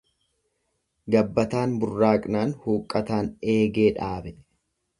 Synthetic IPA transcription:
ɡɐbːɐt̪aːnbʊrːaːkʼnaːnhuːkʼːɐt̪aːne̞ːɡe̞ːᶑaːbɛ

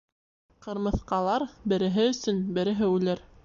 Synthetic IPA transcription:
qɤ̆ɾmɤ̆θqɑlˠɑɾbɘ̆ɾɘ̆ɦɘɵ̆sɵnbɘ̆ɾɘ̆ɦɘʉlɘɾ

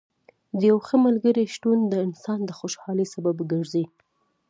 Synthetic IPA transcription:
d̪əjawxəmalɡəɾiʃʈund̪əɪnsɑnd̪əxoʃhɑləsababɡəʐzi

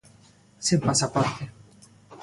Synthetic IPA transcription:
simpasapɔrt̪e

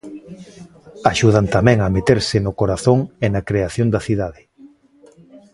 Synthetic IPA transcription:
aʃuð̞ant̪amɛ̃ŋɐmet̪eɾsɪnʊkoɾaθoŋenakɾeaθjond̪ɐθiðaðɪ

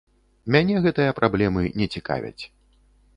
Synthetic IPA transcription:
mʲanʲɛɣɛt̪ɨjɐpɾablʲɛmɨnʲɛt͡sʲika̰vʲɐ̰t͡sʲ

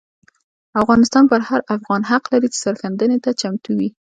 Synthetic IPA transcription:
afɣɑnɪst̪ɑnpəɾhaɾafɣɑnɦaqlaɾit͡ʃɪ̥saɾxand̪ənet̪at͡ʃamt̪uwi

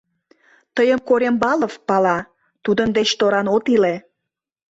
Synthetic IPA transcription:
t̪əjəmkoɾʲembɑləvpɑlɑ | t̪ud̪ənd̪et͡ɕt̪oɾɑnot̪ile

